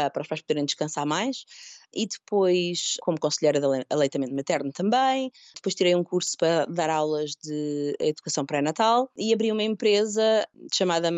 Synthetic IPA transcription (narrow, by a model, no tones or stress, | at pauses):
pɐɾɔʃpajʃpuðeɾẽj̃d̪ɨʃkɐ̃saɾmajʃiðɨpojʃkʰomukõsʎɐjɾɐðɐɐlˠɐjt̪ɐmẽnt̪mɐt̪ɛɾnut̪ɐ̃mbɐ̃j̃ | d̪ɨpojʃt̪iɾejũkuɾsu̥pɐɾɐðaɾawlˠɐʒðɨɐ̰iðukɐsɐ̃w̃pɾɛnɐt̪alˠiɐβɾiumɐẽmpɾezɐʃɐmaðɐ